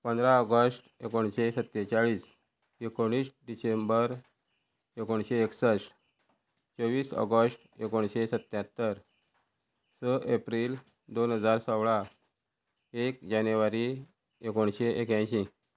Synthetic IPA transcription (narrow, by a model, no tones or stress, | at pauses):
pənd̪ɾaəɡəsʈekoɳɕesət̪ːet͡ɕaɭiːs | ekoɽ̃iːsɖisembəɾ | ekoɳɕeːksəs | t͡səʋiːsɔ̰ɡəsʈ | ekoɳɕesət̪ːjãt̪ːəɾ | səʔepɾiːl | d̪onɦəd͡zaɾsəwɭa | ek̚d͡ʑanjuʋaɾi | ekoɳɕeʔekjãɕĩ